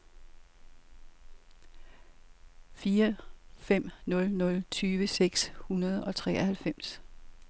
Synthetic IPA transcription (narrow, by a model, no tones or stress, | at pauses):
fiːɐfem̰nɔ̽lnɔ̽lt͡sʰyːʋəseɡ̥shunɐð̞ˠɒ̽t͡sʰʁɛ̰ːɒhælfem̰s